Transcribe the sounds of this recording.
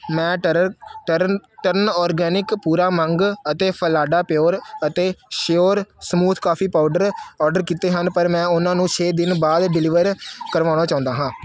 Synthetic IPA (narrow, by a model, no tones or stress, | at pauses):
mɛ̃ː | əʈəɾnɔːɾɡɛːnɪkpuːɾaːməŋɡət̪eːpʰəlaːɖaːpɪjoːɾət̪eːʃjoːɾsəmuːt̪ʰkaːpʰiːpaːʊɖəɾɔːɾɖəɾkiːt̪eːɦənpəɾmɛ̃ːʊnãːnũːt͡ʃʰeːd̪ɪnbaːd̪ɖɪlɪʋəɾkəɾʋaːɽ̃aːt͡ʃãːʊ̃nd̪aːɦãː